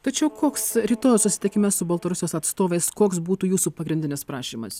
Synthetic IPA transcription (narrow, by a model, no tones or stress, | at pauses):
t̪ɐt͡ʃʲɛʊkoːksɾʲiːt̪oːjsʊsʲɪ̥t̪ʲɪkʲɪmʲɛssʊbɐlˠt̪ɐɾʊsʲɪjoːsɐt̪st̪oːʋʲɛɪskoːksbuːt̪uːjuːsuːpɐɡɾʲɪndʲɪnʲɪspɾɑːʃʲiːmɐ̰s